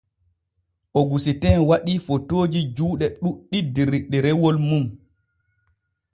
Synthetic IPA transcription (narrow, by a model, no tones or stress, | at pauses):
ʔɔɡusitɛnwaɗiːfotoːd͡ʒid͡ʒuːɗɛɗuɗidːiɾiɗɛɾɛwɔlmum